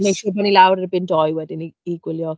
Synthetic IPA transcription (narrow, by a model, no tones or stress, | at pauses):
mejkʃʊːrbanilawɾərbɪntɔjwɛdɪniːɡ̥wɪljɔ